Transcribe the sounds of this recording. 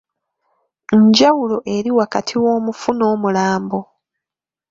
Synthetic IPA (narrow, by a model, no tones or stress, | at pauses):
ɲɟawulo̞ʔe̞ɾiwakatʰiwo̞ːmufuno̞ːmulaːmbo